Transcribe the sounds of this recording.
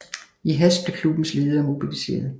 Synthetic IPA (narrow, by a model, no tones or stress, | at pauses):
iɦæsb̥lekʰlub̥n̩sle̝ːð̩ˠɐmo̝b̥ilise̝̰ːɐðˠ